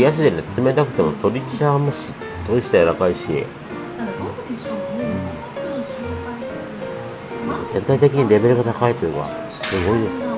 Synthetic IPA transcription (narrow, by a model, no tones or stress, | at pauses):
ijaɕ̬id̪e̞ne̞t͡sɨme̞t̪akɯ̟̥t̪e̞mo̞t̪o̞ɾʲit͡ɕaːmɯɕi | t̪o̞ɾʲisi̥t̪ajaɾakaiɕiḛ | d̪emozẽ̞nt̪ait̪e̞kʲiɲ̟iɾe̞be̞ɾɯ̟ɡat̪akait̪oɯ̟ɡa̰ | sɨɡo̞id̪e̞sɨ̥